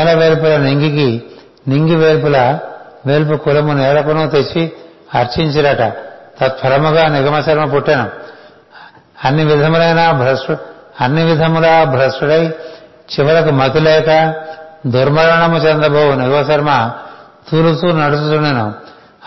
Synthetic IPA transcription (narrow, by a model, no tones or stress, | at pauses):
ɛlɐʋeːlpulɐniŋɡiki | niŋɡiʋeːlpulɐ | ʋeːlp̬ukulɐmunɛːlɐkunut̪et͡ʃːi | ɐɾt͡ʃiɲt͡ʃiɾɐʈɐt̪ɐt̪̚pʰɐɾɐmuɡaːniɡɐmɐsɐɾmɐpuʈːinɐm | ɐnːiʋid̪ʱɐmulɐjnaːbʱɾɐsʈuɐnːiʋid̪ʱɐmulɐbʱɾɐsʈuɽɐj | t͡ʃiʋɐɾɐkumɐt̪ulɛːkɐd̪ʱuɾmɐɾɐɳɐmut͡ʃend̪ɾɐbʱɐwuniɡɐmɐsɐɾmɐ | t̪uːlutunɐɽusut̪unːɐnɐm